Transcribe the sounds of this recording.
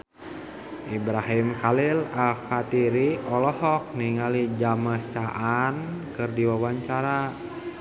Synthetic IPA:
ʔibɾaɦimkalilafat̪iɾiɔlɔhɔk̚niŋalid͡ʒaməst͡ʃaʔankɨrdiwawaɲt͡ʃaɾa

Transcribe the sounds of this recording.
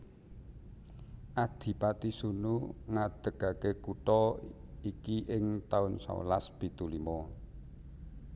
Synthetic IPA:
ʔad̪̥i̤pat̪isunuŋad̪̥ə̤ɡ̥a̤kekuʈɔikiʔɪŋt̪aʊnsa̰laspit̪ulimɔ

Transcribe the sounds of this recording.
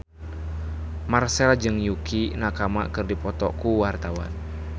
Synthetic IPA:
marsɛlad͡ʒɨŋjukinakama̰kɨrdipɔt̪ɔkuwart̪awa̰n

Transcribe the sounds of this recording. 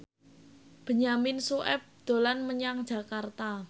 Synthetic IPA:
b̥ə̤ɲamɪnsuʔɛp̚d̪̥o̤lanməɲaŋd̥ʒ̥ä̤kart̪a

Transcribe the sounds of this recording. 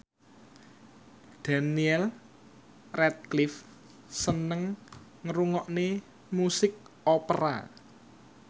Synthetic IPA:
d̪̥a̤niɛl | rɛt̪̚klɪf | sənəŋŋəɾuŋɔʔne | musɪk̚opəɾa̰

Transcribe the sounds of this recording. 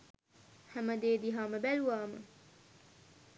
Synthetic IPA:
hɐmɐd̪eːd̪iɦɑːmɐbelwɑːmɐ̰

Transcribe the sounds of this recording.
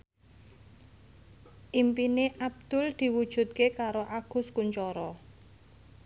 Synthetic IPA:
ʔimpineʔab̚d̪̥ʊ̤ld̪̥i̤wud̥ʒ̥ṳt̪̚kekaɾoʔaɡ̥ʊ̤skuɲt͡ʃɔɾɔ

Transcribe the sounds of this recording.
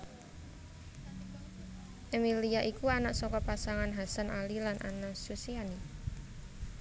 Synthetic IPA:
ʔemiliaʔikuanaʔsɔkɔpasaŋanɦasanʔalilanʔa̰nasusiani

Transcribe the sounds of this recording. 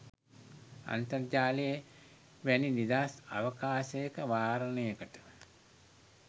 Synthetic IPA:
a̰nt̪ɐrd͡ʒaːleje | ʋæninid̪aːsa̰ʋəkaːsɐjekəʋaːɾənəjekəʈə̥

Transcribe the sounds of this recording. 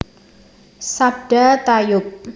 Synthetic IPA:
sab̚ɖ̥at̪ajʊp̚

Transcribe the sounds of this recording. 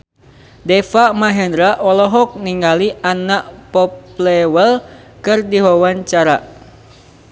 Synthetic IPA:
dɛfaʔmaɦɛndɾaʔɔlɔɦɔk̚niŋaliʔanaʔpɔplɛwəl | kɨrdiwawaɲt͡ʃaɾa̰

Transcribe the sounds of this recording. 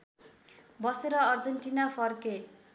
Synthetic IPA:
bʌseɾʌːrd͡zʌnʈinapʰʌrke

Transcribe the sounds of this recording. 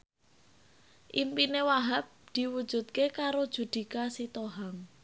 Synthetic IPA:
ʔimpinewaɦap̚d̪̥i̤wud̥ʒ̥ṳt̪̚kekaɾod̥ʒ̥ṳd̪̥i̤kasit̪oɦaŋ

